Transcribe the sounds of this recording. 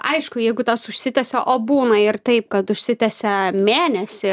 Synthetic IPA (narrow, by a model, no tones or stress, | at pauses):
ɐɪʃkʊjɛɪɡʊt̪ɐsʊʃʲsʲɪt̪ʲɛsʲɛʔoːbuːnɐɪrt̪ɐɪp̚kɐt̪ʊʃʲsʲɪt̪ʲɛsʲɛmʲeːnʲɛsʲɪ